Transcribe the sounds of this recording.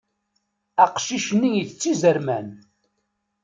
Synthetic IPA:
æqʃiʃnːijiθt͡sːizəɾmæn

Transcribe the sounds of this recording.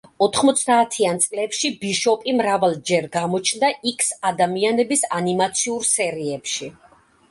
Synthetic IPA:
ɔt̪ʰχmɔt̪sʰd̪aːt̪ʰiant̪sʼlɛpʃibiʃɔpʼimɾavalˠd͡ʒɛɾɡamɔt͡ʃʰnd̪aʔikʰsad̪amianɛbisanimat̪sʰiuɾsɛɾiɛpʃi

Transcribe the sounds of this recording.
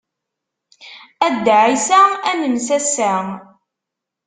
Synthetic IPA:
æd̪ːʕisæænəmsæsæ

